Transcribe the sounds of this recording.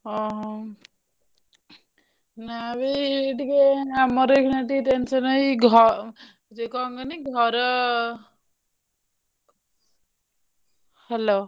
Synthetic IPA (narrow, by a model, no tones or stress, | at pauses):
ʌɦʌ | nabiʈikeamʌɾejkʰunaʈiʈensʌnʌjɡʱʌ | tekʌŋɡʌniɡʱʌɾʌ | helo